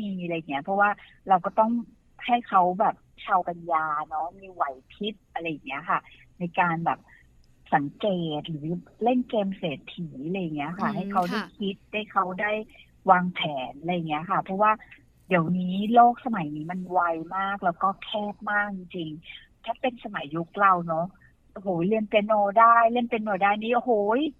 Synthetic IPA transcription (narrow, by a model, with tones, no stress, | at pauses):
miː˧ɾa˧jːa˨˩ŋːi˦˥ɐpʰɔ˦˥waː˥˩ | ɾa˧wkɔː˥˩t̪ɔ˥˩ŋ | ha˥˩jkʰa˦˥wbɛː˨˩p̚t͡ɕʰaː˧wka˧njaː˧nɔ˦˥miː˧wa˨˦jp̪ʰi˦˥t̪̚ʔa˧ɾa˧jːa˨˩ŋːi˦˥ɐkʰa˥˩ | na˧jkaː˧nbɛː˨˩p̚ | sa˩˦ŋkeː˨˩t̪̚ɾɯː˩˦le˥˩ŋkeː˧mseː˨˩t̪ʰːiː˩˦la˧jːa˨˩ŋːi˦˥ɐkʰa˥˩ɦa˥˩jkʰa˦˥wda˥˩jkʰi˦˥t̪̚ha˥˩jkʰa˦˥wdaː˥˩j | waː˧ŋpʰɛː˩˦nla˧jːŋːi˦˥ɐkʰa˥˩pʰɾɔ˦˥waː˥˩ | di˨˩˦əwniː˦˥loː˥˩k̚sa˧ma˨˩˦jniː˦ma˧nwa˧jmaː˥˩k̚lɛː˦˥wkɔː˥˩kʰɛː˥˩p̚maː˥˩k̚t͡ɕi˧ŋt͡ɕi˧ŋ | t̪ʰaː˥˩pe˧nsa˧ma˨˩˦jːu˦˥k̚la˧wnɔ˦˥ | ʔo˧ɦoː˨˦jli˥˩ənp̪e˧noː˧daː˥˩jli˥˩ənpe˧nːoː˧daː˥˩jniː˦ʔo˧ɦoː˨˩˦j